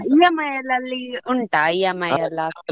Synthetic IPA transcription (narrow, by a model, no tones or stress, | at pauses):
ijɐmɐjɐlɐlːiuɳʈaijamɐjɐla